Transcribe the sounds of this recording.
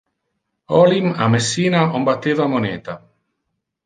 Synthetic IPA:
ɔlimamesːiːnaombat̪ːeːvamoneːt̪a

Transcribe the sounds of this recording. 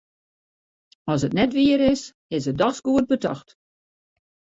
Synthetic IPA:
ɔsətnɛtʋiəɾɪs | ɪsədɔxsɡuət̚bətɑ̰xt

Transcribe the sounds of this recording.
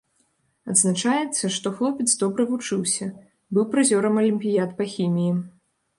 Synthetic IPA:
ɐd̪znat͡ʂajɛt̪sːɐʂt̪ɔxlˠɔpʲɛt̪sd̪ɔbɾɨvut͡ʂɨwsʲɐ | bɨwpɾɨzʲɔɾɐmɐlʲimʲpʲijat̪pɐxʲimʲiji

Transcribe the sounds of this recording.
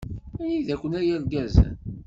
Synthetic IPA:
æjiðækʷːənæjæɾɡæzæ̰n

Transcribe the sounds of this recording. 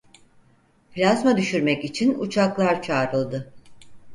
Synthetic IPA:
plʲazmad̪yʃyɾmɛcit͡ʃʰinṵt͡ʃʰaklˠaɾt͡ʃʰaːɾɯlˠd̪ɯ

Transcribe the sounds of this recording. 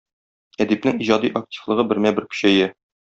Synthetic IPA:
æd̪ipnɘŋiʑɑd̪iʔɐk̚tʲi̥flˠɤ̆ʁɤbɘ̆ɾmæbɘɾkɵ̥̆ɕæjɘ

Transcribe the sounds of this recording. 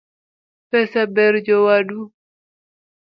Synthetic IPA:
pɛsabɛɾd͡ʒɔwadu

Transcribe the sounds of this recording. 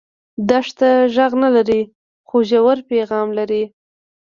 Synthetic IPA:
d̪aʂt̪aʒaɣnalaɾi | xoʒawaɾpeɣɑmlaɾi

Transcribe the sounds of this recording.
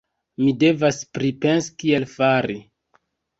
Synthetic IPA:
mide̞vaspɾipe̞nsi̥kielfaɾi

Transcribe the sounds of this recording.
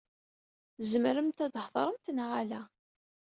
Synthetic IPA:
zmɾəmt̪æd̪hðˤɾˤəmt̪nʁalæ

